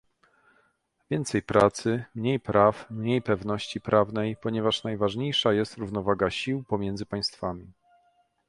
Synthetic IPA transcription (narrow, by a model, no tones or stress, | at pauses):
vʲjɛnt̪sɛjpɾat̪sɘmɲejpɾʔafmɲejpɛvnɔɕt͡ɕipɾavnɛjpɔɲɛvaʂnajvaʐɲejʂajɛst̪ɾuvnɔvaɡaɕiwpɔmʲjɛnd̪zɘpaj̃st̪famʲi